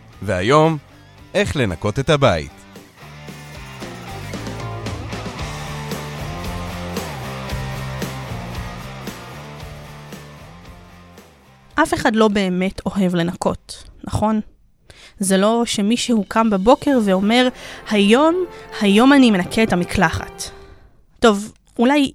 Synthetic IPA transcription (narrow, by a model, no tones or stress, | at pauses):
vea̰jo̞m | ʔeχle̞na̰ko̞t̪et̪habaḭt | ʔafe̞χadlo̞be̞ːme̞tʰo̞ɦe̞vle̞nako̞̰tnaχo̞n | zelo̞ʃemiʃehukʰambabo̞ke̞ʁveo̞me̞ʁhajo̞mhajo̞manime̞nakʰeːtamikʰlaχa̰tː | o̞v | ʔulaj